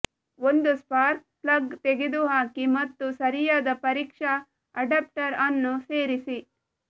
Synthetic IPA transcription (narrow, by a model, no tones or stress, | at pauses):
ond̪uspaːɾk̚plɐɡt̪eɡed̪uɦaːkimɐt̪ːusɐɾijaːd̪ɐpɐɾiːkʂɐ | ɐɖɐp̚ʈɐɾɐnːuseːɾisi